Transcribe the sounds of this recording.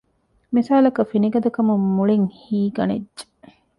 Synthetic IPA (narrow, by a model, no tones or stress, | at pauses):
misaːlɐkɐfiniɡɐd̪ɐkɐmumːuɭiŋhiːɡɐnḛd͡ʒe̥